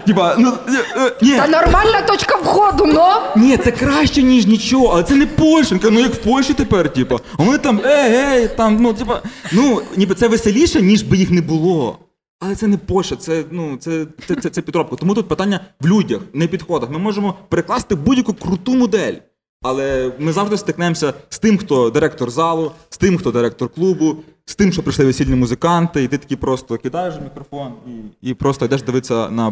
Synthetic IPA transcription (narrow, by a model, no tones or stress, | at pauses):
tʲipɐnunʲinɔrmɑlʲnɐt̪ɔt͡ʃkɐwxɔd̪ʊnɔnʲit̪sɛkɾɑʃt͡ʃɛnʲiʒnʲit͡ʃɔɦɔɐlˠɛt̪ɛnɛpɔlʲʃɪnkɐnujɐkwpɔlʲʃit̪epɛrtʲipɐʋɔnɪt̪ɑmɛɛjt̪ɑmnutʲipɐ̰nunʲip̬ɐt̪sɛʋɪselʲiʃɛnʲiʒbɪjixnɛbʊlˠɔ | ɐlˠɛt̪sɛnɛpɔlʲʃɛt̪sɛnut̪sɛt̪ɛt̪sɛt̪sɛpʲid̪ɾɔp̚kɐt̪ɔmut̪ut̪̚pɪt̪ɑnʲːɐʋlʲudʲɐxnɛpʲid̪xɔd̪ɐxmɪmɔʒemɔpeɾeklˠɑsɪt̪ɪbudʲjɐkukɾʊt̪umʊd̪ɛlʲ | ɐlˠɛmɪzɑʋʐd̪ɔst̪ɪknɛjemsʲɐst̪ɪmxt̪ɔd̪ɪɾɛkt̪ɔrzɑlˠʊst̪ɪmxt̪ɔd̪ɪɾɛk̚t̪ɔrklˠubʊst̪ɪmʃt͡ʃɔpɾɪʃlˠɪʋɪsʲilʲnʲimuzɪkɑnt̪ɪit̪ɪt̪ɐkʲipɾɔst̪ɔkʲid̪ɑjeʃmʲikɾɔfɔniipɾɔst̪ɔid̪ɛʃd̪ɪʋɪtsʲɐnɐ